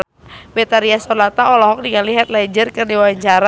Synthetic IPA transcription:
bɛt̪aɾiasɔlat̪aɔlɔɦɔk̚diŋaliɦɛt̪̚lad͡ʒərkɨrdiwaaɲt͡ʃaɾa

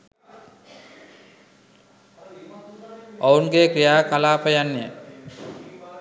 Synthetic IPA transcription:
ounɡekɾijaːkalaːpəjanːijə

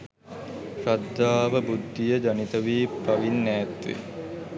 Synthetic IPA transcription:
ɾad̪ːaːʋəbud̪ʱːijəd͡ʒanit̪əʋiːpaʋinːæːt̪ʋḭ

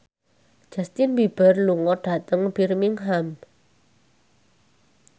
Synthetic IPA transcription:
ʒ̥a̤st̪inbib̥ə̤rluŋɔɖ̥a̤t̪əŋb̥irmiŋɦam

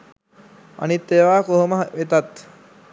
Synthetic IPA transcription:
a̰nit̪ːeʋaːkoɦoməɦʋet̪at̪

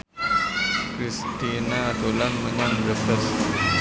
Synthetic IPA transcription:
kɾist̪inad̪olanməɲanɾəfəs

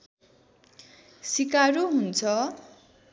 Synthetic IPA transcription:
sikaɾuɦunt͡sʰʌ

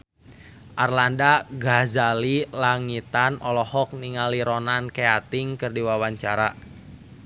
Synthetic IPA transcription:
ʔarlandaɡazalilaŋit̪anɔlɔhɔk̚niŋaliɾɔnankeat̪ɪŋkɨrdiwawaɲt͡ʃaɾa

